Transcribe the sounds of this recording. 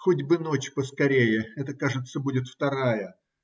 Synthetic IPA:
xodʲbɨnot͡ɕpəskɐɾʲejɪɛt̪əkaʐɨt̪səbudʲɪt̪ft̪ɐɾajə

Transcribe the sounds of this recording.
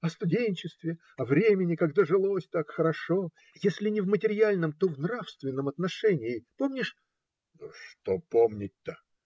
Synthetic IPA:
ɐst̪ʊdʲenʲt͡ɕɪst̪vʲɪ | ɐvɾʲemʲɪnʲɪkɐɡd̪aʐɨlˠosʲt̪akxəɾɐʂo̞ | jesʲlʲɪnʲɪvmətʲɪɾʲalʲnəmt̪o̞vnɾafst̪vʲɪnːəmɐt̪nɐʂɛnʲɪːpomnʲɪʂ | nuʂt̪opomnʲɪt̪ʲːə

